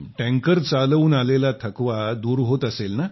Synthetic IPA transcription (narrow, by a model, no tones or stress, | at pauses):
ʈɛ̃ŋkəɾt͡saluːnalelat̪ʰəkʋad̪uːɾɦot̪əselna